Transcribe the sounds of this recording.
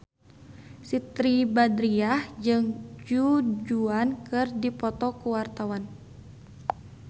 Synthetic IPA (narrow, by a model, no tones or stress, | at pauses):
sit̪ɾibadɾiahd͡ʒɨŋd͡ʒud͡ʒuankɨrdipɔt̪ɔkuwart̪awan